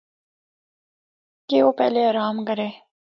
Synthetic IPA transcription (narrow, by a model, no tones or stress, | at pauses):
keopḛleaɾɑːmɡɐɾe